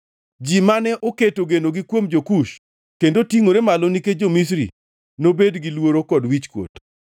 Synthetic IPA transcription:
d͡ʒimanɛʔoketoɡenoɡikwomd͡ʒokuʃ | kendotiŋoɾemaloniked͡ʒomis̬ɾḭ | nobedɡilwoɾokɔdwit͡ʃkwo̰t

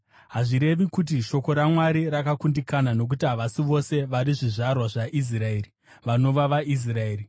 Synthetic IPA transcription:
ɦaʐiɾe̞ʋikut̬iʃo̞ko̞ɾamwaɾiɾakakundikanano̞k̬utiɦaʋasiʋo̞se̞ʋaɾiʐiʐarwaʐaʔis̬raeːri | ʋano̞ʋaʋaʔis̬raeːri

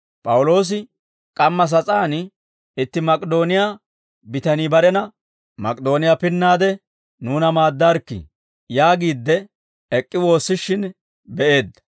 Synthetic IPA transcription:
pʼɐwʊlo̞ːs̬ɪ | kʼɐmːɐs̬ɐt͡sʼaːn | ɪt̪ːɪmɐkʼd̪o̞ːnɪja | bɪt̪ɐniːbɐɾɛnɐ | mɐkʼd̪o̞ːnɪjapɪnːaːd̪ɛ | nuːnɐmaːd̪ːaɾkːɪ̰ | jaːɡiːd̪ːɛ | ɛkʼːɪwo̞ːsːɪʃːɪn | bɛʔe̞ːd̪ːɐ̥

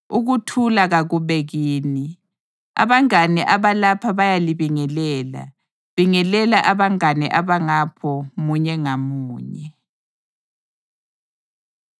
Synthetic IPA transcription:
uɣutʰulaɣaɣuβeɣiːni | a̰βaŋanɛʔaβalapʰaβajaliβiŋɛlɛːla̰ | βiŋɛlɛlaʔaβaŋanɛ̰ʔaβaŋapʰɔmuɲɛŋamuːɲɛ

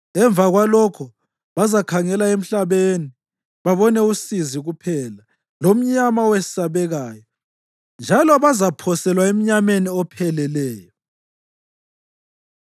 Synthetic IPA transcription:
ɛɱvaɣwalɔkʰɔ | βazakʰaŋɛlaem̩ɬaβeni | βaβɔnɛusiziɣupʰɛːla | lom̩ɲamawesi̥saβɛɣaːjɔ | nd͡ʒʱalɔβazapʰɔsɛlwaem̩ɲameniɔpʰɛlɛlɛːjɔ

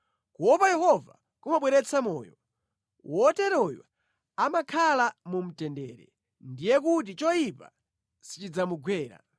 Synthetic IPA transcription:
kuwɔpajɛhɔva | kumaɓwɛɾɛt͡sʰamɔːjɔ̰ | wʔɔtɛɾɔjwa̰ | amakʰalamum̩tɛndɛːɾɛ̰ | ndijɛkut̬it͡ʃɔjipa̰ | si̥t͡ʃid͡zamuɡwɛːɾa̰

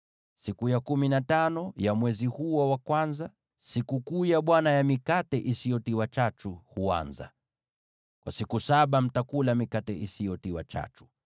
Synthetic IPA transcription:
sikujakuminatanɔjamwɛzihuɔwakwanza | sikukujaɓwanajamikatɛʔisijɔtiwat͡ʃat͡ʃuhua̰nza̰ | kwasikusaɓam̩takulamikatɛʔisijɔtiwa̰t͡ʃa̰t͡ʃu̥

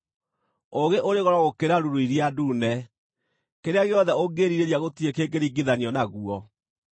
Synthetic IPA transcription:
oɣeʔoɾeɣɔɾɔɣokeɾaɾuɾoiɾiadunɛ | keɾeaɣejɔðɛoɡeɾiɾeɾjaɣotiekeɡeɾiɡiðaɲiɔnaɣuɔ

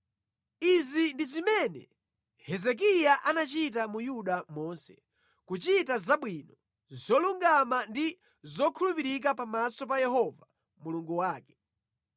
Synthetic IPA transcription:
izindizimɛnɛ̰ | hɛzɛk̬ijaʔanat͡ʃitamujuɗamɔːnsɛ̰ | kut͡ʃitazaɓwinɔ | zɔluŋɡamandi | zɔkʰulupiɾik̬apamasɔpajɛhɔva | muluŋɡuwaːkɛ̥

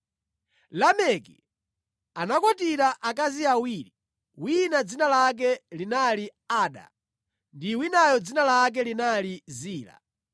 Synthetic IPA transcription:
lamɛkḭ | anakɔtiɾaʔakaziawiɾi | winad͡zinalak̬ɛlinaliaːɗa̰ | ndiwinajɔd͡zinalak̬ɛlinaliziːla̰

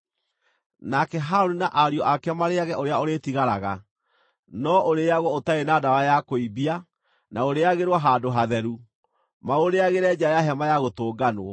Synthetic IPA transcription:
nakɛɦaonunaʔaɾjɔʔakɛmaɾeaɣɛʔoɾeaoɾetiɣaɾaɣa̰ | nɔʔoɾeaɣwɔotaenadawajakoibia | naoɾeaɣeɾwaɦaːdoɦaðɛɾu | maoɾeaɣeɾɛd͡ʑajaɦɛmajaɣotoːɡanwɔ

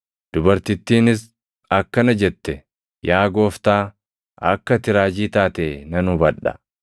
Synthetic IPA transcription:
d̪̥ʊbɐɾt̪ɪt̪ːiːnɪs | ɐkːɐnɐd͡ʒɛt̪ːɛ | jaːɡo̞ːft̪aː | ɐ̰kːɐt̪ɪɾaːd͡ʒiːt̪aːt̪eːnɐnʊbɐᶑɐ̰

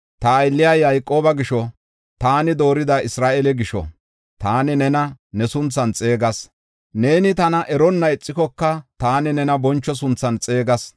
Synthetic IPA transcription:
t̪ɐːjlːɪjɐjːɐjkʼːoːbɐɡɪʃɔ | t̪aːnɪd̪o̞ːɾɪd̪ɐɪsɾaːʔɛlɛɡɪʃɔ̰ | t̪aːnɪnɛnɐnɛsʊnt͡sːɐnt͡sʼe̞ːɡɐs | ne̞ːnɪt̪ɐnɐʔɛɾɔnːɐɛt͡sʼːɪkɔkːɐt̪aːnɪnɛnɐbɔnt͡ʃːɔs̬ʊnt͡sːɐnt͡sʼe̞ːɡɐs

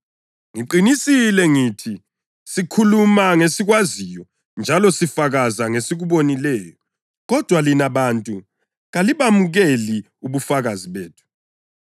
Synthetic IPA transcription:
ŋiǃinisilɛŋiːtʰi | sikʰulumaŋesiɣwazijɔ | nd͡ʒʱalɔsifaɣazaŋesiɣuβonilɛːjɔ | ɣɔd̥ʱwalinaβantʼu | ɣaliβamuɣeli | uβufaɣaziβeːtʰu̥

